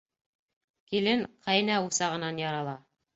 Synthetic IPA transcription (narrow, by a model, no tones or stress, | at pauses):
kilɘŋqʰɑjnæusɑʁɤ̆nɑnjɑɾɑlˠɑ